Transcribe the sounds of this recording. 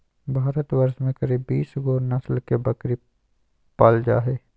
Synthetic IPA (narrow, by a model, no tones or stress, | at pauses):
bʱaːɾət̪wɐɾsmẽkɐɾiːbːiːsɡoːɾnɐslkebɐkɾi | paːld͡ʒa̰ːɦeː